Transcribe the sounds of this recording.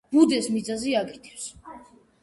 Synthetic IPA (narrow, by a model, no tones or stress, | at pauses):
b̥ud̪ɛsmid̪zaziaɡit̪ʰifs